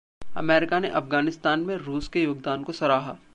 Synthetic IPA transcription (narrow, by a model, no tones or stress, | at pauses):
ɐ̰mɛːɾɪkaneʔɐfɡaːnɪst̪aːnmẽɾuːskejoːɡ̚d̪aːnkosɐɾaːɦaː